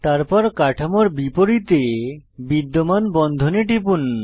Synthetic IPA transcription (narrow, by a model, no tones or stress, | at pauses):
t̪aɾpɔɾkaʈʰamoɾbipoɾit̪ebid̪ːomanbɔnd̪ʱoneʈip̬un